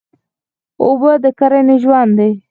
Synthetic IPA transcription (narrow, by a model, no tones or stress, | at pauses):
obəd̪əkaɾaneʒwand̪e